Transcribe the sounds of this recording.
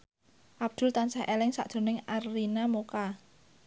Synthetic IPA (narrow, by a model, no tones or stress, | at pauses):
ʔab̚d̪̥ʊ̤lt̪ansahʔelɪŋsa̰ʔd̥ʒ̥o̤nɪŋarːinamoka